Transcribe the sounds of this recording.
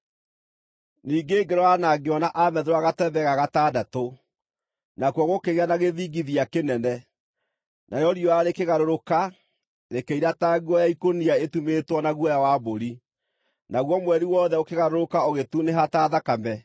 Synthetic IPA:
niːɡeːɡeɾɔanaɡeɔnaʔamɛðeɾwaɣatɛβɛɣaɣataːdato | nakwɔɣokeɣeanaɣeðiːɡiðiakenɛnɛ | najɔɾijɔaɾekeɣaɾoɾoka | ɾekeiɾataɣuɔjaikoniaetumetwɔnaɣwɔjawaboɾi | naɣwɔmwɛɾiwɔːðɛokeɣaɾoɾokaoɣetuneɦataːðakamɛ

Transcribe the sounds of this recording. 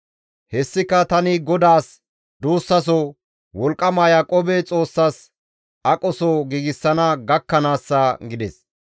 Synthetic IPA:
hɛsːɪkɐt̪ɐnɪɡɔd̪aːs | d̪uːsːɐs̬ɔ | wɔlkʼːɐmaːjɐkʼɔbɛt͡sʼo̞ːsːas | ɐkʼɔsɔɡiːɡɪsːɐnɐɡɐkːɐnaːsːɐɡɪd̪ɛs

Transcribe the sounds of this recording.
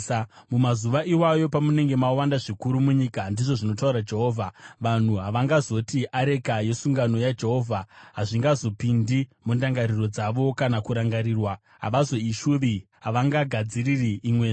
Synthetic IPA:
mumazuʋaʔiwajo̞pamune̞ŋɡe̞mawandaʐikuɾumuɲiːkandiʐo̞ʐino̞t̬auɾad͡ʒe̞ɦoːvʱaʋan̤uɦaʋaŋɡazo̞tiʔaɾe̞kaje̞suŋɡano̞jad͡ʒeɦo̞vʱaɦaʐiŋɡazo̞pindimundaŋɡaɾiro̞d͡zaʋo̞kanakuɾaŋɡaɾiːrwa | ɦa̰ʋazo̞iʃuʋiɦaʋaŋɡaɡʱad͡ziririːmweʐ

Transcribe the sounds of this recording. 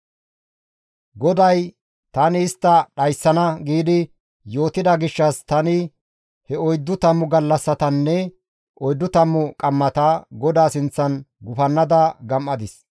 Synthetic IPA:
ɡɔd̪ɐj | t̪ɐːnɪːst̪ːɐɗɐjsːɐnɐɡiːd̪ɪ | jo̞ːt̪ɪd̪ɐɡɪʃːɐst̪ɐnɪ | hɛɔjd̪ːʊt̪ɐmːʊɡɐlːɐsːɐt̪ɐnːɛ | ʔɔjd̪ːʊt̪ɐmːʊkʼɐmːɐt̪ɐɡɔd̪aːsɪnt͡sːɐnɡʊfɐnːɐd̪ɐɡɐmʔɐd̪ɪs

